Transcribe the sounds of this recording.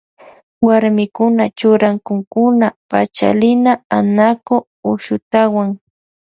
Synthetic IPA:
waɾmɪkʊnat͡ʃʊɾaŋkʊŋkʊnapat͡ʃa̰lɪnaanako | ʊʃʊt̪awaŋ

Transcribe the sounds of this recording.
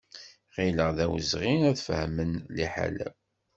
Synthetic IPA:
ʁiləʁðæwəzʁinæðfəhmənliħa̰læ

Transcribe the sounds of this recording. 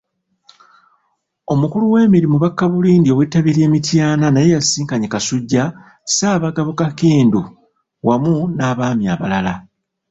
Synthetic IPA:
o̞mukuluwe̞ːmiɾimuβakːaβuliːndio̞wetːaβiɾje̞ːmitjaːnanaje̞jasiːŋkaɲekasuɟːa | saːβaɡaβukakiːndu | wamunaːβaːmjaːβalala

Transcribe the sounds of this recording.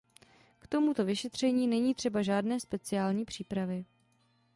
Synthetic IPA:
kt̪o̞mut̪o̞vɪʃɛt̪r̝̥ɛɲiːnɛɲiːt̪r̥ɛbaʒaːdnɛːspɛt͡sɪaːlɲiːpr̝̥iːpɾavɪ

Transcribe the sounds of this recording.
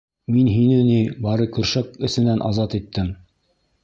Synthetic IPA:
minɦinɘnibɑɾɤkɵ̆ɾʃækɘ̆sɘ̆nænʔɑ̰zɑt̪it̪ːɘm

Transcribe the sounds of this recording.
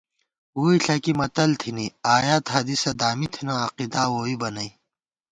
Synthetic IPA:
uːiɬʰɐkimɐt̪ɐlt̪ʰiniaːjaːt̪ɦad̪isɐd̪aːmit̪ʰinaːqid̪aːwoːwibɐnɐi

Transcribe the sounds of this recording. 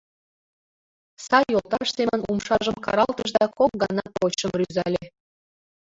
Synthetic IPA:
sɑjolt̪ɑʃsemənumʃɑʒəmkɑ̰ɾɑlt̪əʒd̪ɑkok̚ɡɑnɑpot͡ɕəmryzælʲe

